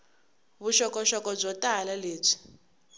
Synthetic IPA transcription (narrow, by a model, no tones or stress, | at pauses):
βuʃɔkʼɔʃɔkʼɔb͡ʐɔtʼalaleːb͡ʐi̥